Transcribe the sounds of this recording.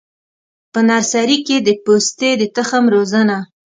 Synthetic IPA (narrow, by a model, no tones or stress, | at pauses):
pənaɾsaɾiked̪əpost̪ed̪ət̪əxəmɾozəna